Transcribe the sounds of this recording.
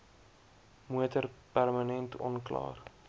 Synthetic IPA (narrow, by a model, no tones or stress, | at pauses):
muətərpærmənɛntʰɔ̰nklɑ̰ːr